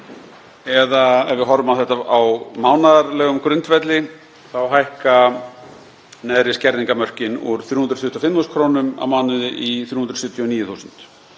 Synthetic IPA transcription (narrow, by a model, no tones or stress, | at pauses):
ɛðaɛɾvɪðɦɔɾvʏmawθɛht̪aawmaːwnaðaɾlɛːɣʏmkɾʏnt̪vɛt̪lɪ | θawɦajhka | nɛðɾɪscɛɾðiŋkamœr̥cɪnuɾ̥θjuhund̪ɾθʏht̪i̥ɔfɪmːuskʰɾoːwnʏma̰wmaːnʏðɪʔiθjuːhund̪ɾsʏt̪ʰjɔniːjɪθuːsʏnt̪